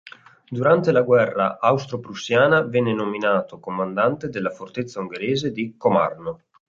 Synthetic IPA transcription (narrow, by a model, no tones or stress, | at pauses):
d̪uɾant̪elaɡwɛrːa̰ʔawst̪ɾopɾusːjaːnavɛnːenominaːt̪okomːand̪ant̪ed̪elːafort̪et̪sːauŋɡeɾeːzed̪ikoma̰rno